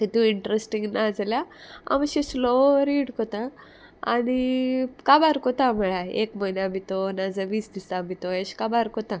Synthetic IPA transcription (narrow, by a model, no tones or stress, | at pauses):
t̪et̪ũiɳʈɾesʈĩŋɡnad͡zljaa̰mɕẽsloɾiːɽkɔt̪ã | a̰ñikabaɾkɔt̪ãməɭaḛkməineamit̪onad͡zəʋiːsd̪isamit̪oeɕkabaɾkɔt̪ã